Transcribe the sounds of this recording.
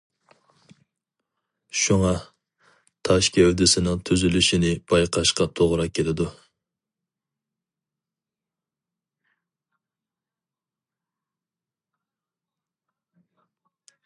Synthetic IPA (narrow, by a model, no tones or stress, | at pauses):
ʃuŋɑ | t̪ʰɑʃkʲʰɛwd̪ɪsɪnɨŋt̪ʰyzylyʃinɪb̥ɑjqʰɑʃqɑt̪ʰoʁɾɑkʲʰelɪd̪u